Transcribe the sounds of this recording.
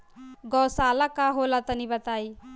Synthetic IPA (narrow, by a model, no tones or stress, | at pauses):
ɡɔsaːlakaɦolat̪ənibɐt̪aːi